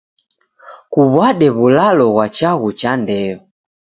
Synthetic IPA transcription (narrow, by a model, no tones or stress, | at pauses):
kuβwaɗɛβulalɔɣwat͡ʃaɣut͡ʃandɛɔ